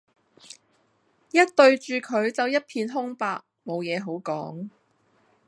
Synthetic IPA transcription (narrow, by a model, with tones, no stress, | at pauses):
jɐ˥t̚t̪ɵ˧ɥt͡ʃyː˨˧kʰɵ˨˧ɥt͡sɐ˨˧wjɐ˥t̚pʰiː˧nɦʊ˥ŋpaː˧k̚mo˨˧wjɛː˨˧ɦo˨˥wkɔː˨˥ŋ